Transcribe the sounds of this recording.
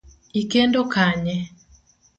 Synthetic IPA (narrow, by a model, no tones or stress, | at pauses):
ikendokaɲɛ